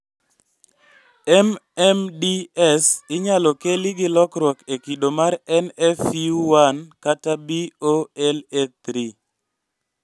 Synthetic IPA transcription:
ɛmɛmdiɛsɪɲalɔkelɪɡɪlɔkɾwɔkekidomarɛnɛfuwankatabioɛlɛt̪ɾi

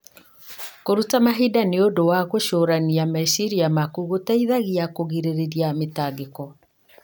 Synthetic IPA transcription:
koɾutamaɦidaneodowaɣoʃoːɾaniamasiɾiamakuɣotaiðaɣiakoɣiɾeɾeɾjametaɡekɔ

